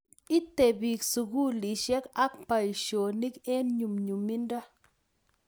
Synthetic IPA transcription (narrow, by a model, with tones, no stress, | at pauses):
i˦t̪e˨bi˨ksu˨ɡu˦li˨ʃe˦ka˦k̚pa˨i˨ʃo˨ni˦ke˦nɲu˨mɲu˨mi˦nda˦